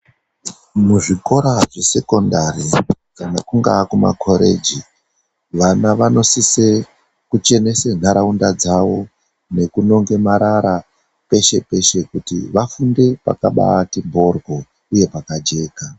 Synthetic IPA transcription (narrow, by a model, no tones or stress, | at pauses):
muʐiko̞ɾaʐe̞se̞ko̞ndari | kanakuŋɡakuma̰kʰo̞ɾe̞̰d͡ʒi | ʋanaʋano̞sise | kut͡ʃe̞ne̞sen̤aɾaundad͡zaʋo̞ | ne̞kuno̞ŋɡe̞maɾaɾa | pe̞ʃe̞pe̞ʃe̞kutḭʋafunde̞pa̰ka̰ɓa̰ːtimbo̞rɡo̞ | uje̞pakad͡ʒe̞ːka